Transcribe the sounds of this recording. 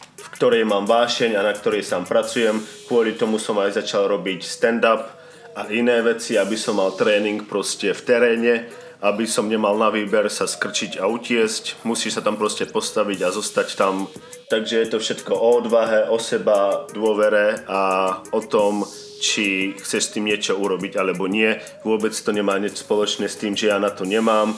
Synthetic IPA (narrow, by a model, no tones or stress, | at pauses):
fkt̪ɔɾɛjmaːmʋaːʃɛɲanak̚t̪ɔɾɛjsaːmpɾat͡sujɛmkʊɔʎit̪ɔmusɔmajzat͡ʃalɾɔbicst̪ɛnd̪ap | ʔaʔinɛːʋɛt͡siabisɔmːalt̪ɾɛːniŋkpɾɔscɛft̪ɛɾɛːɲɛ | ʔabisɔmɲɛmalnaʋiːbɛɾsaskr̩t͡ʃiɟaucɪɛzcmusiːʃsat̪ampɾɔscɛpɔst̪aʋiɟazɔst̪act̪am | t̪aɡʒɛjɛt̪ɔfʃɛt̪kɔʔɔɔd̪ʋaɦɛʔɔsɛbad̪ʊɔʋɛɾɛaɔt̪ɔm | t͡ʃixt͡sɛʃst̪iːmɲɪɛt͡ʃɔuɾɔbiɟalɛbɔɲɪɛ | ʋʊɔbɛt͡st̪ɔɲɛmaːɲɛt͡ʃspɔlɔt͡ʃnɛːst̪iːmʒɛjaːnat̪ɔɲɛmaːm